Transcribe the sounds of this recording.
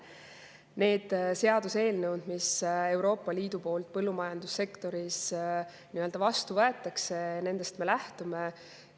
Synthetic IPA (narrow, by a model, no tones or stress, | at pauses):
ne̞ːd̪̥se̞ɑd̪̥use̞ːlnewd̪̥mise̞wɾo̞ːpˑːɑliːd̪̥upo̞ːlt̪̚pɤlːumɑjɑnd̪usːe̞kt̪o̞ɾis | niøld̪ɑvɑst̪uvɤe̞t̪ˑːɑkse̞ne̞nd̪̥e̞st̪me̞læht̪ume